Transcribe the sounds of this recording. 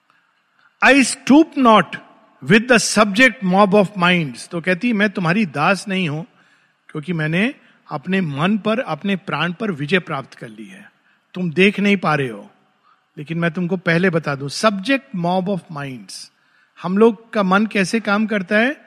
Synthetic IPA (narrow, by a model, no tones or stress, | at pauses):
aːɪsʈuːpnɔːʈ | ʋɪd̪ːəsɐb̚d͡ʒek̚ʈmɔːbɔːʋmãɪ̃ɳɖz̥t̪okɛɦt̪iɦɛmɛ̃ːt̪ʊmɦaːɾid̪aːsnɐɦĩɦũ | kjõːkimɛ̃ːne | ɐpnemɐnpɐɾɐpnepɾãːɽ̃pɐɾʋɪd͡ʒəjpɾaːpt̪kɐɾlḭɦɛ̰ː | t̪ʊmd̪eːkʰnɐɦĩpaːɾeɦo̰ː | leːkɪnmɛ̃ːt̪̬ʊmkopɛɦlebɐt̪aːd̪ũsɐbd͡ʒek̚ʈmɔːbɔːfmãɪ̃ɳɖz̥ | hɐmloːɡkamɐnkɛːsekaːmk̬ɐɾt̪aɦɛː